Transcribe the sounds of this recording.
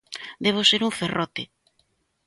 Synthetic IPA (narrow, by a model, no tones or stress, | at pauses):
d̪eβ̞oseɾuɱferɔt̪ɪ